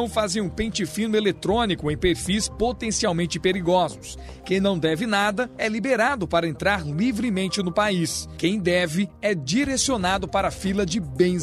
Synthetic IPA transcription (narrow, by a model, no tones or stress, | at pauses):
ɐ̃w̃fazẽj̃ũpẽnt͡ʃɪfĩnʊelet̪ɾõnikʊẽj̃peɾfispot̪ẽsiawmẽnt͡ʃɪpeɾiɡɔzʊs | kẽj̃nɐ̃w̃d̪ɛvɪnad̪ɐɛlibeɾad̪ʊpaɾɐẽnt̪ɾaɾlivɾɪmẽnt͡ʃɪnʊpaiskẽj̃d̪ɛvɪɛd͡ʒiɾesionad̪ʊpaɾɐfilɐd͡ʒɪbẽj̃